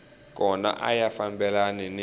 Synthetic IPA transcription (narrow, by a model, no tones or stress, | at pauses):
k̬ʼɔna̰ʔa̰jafambɛlanɛn